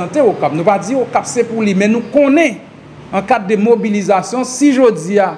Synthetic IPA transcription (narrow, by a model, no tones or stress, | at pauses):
t̪eokap̚nũpad͡ziokapsepulimɛ̃nũkɔ̃nɛ̃ | ãkadːəmobilizasjɔ̃siʒod͡zia